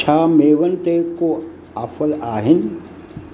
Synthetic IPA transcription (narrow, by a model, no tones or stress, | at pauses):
aːmeːʋənt̪eko | ɐfʰəlaːɦɪn